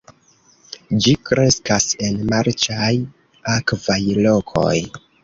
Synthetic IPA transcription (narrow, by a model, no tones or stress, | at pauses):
d͡ʒikɾe̞skase̞nmaɾt͡ʃaj | akvajlo̞kʰo̞̰j